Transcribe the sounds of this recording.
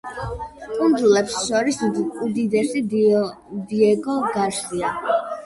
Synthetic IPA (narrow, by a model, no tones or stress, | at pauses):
kʼund̪zulɛpsʃɔɾisud̪id̪ɛsi | d̪iɛɡɔɡaʃlia